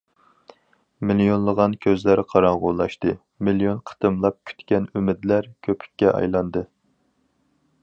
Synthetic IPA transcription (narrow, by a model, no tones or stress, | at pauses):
milijonlˠəʁɑnkʲʰøzlæɾqʰɑɾɑɴʁolˠɑʃt̪ɨ | miljonqʰə̥t̪ɨmlˠɑp̚kʲʰy̥t̪kʲɛnymɪd̪læɾkʲʰøpʰy̥kʲːɛʔɑ̰jlˠɑnd̪ɨ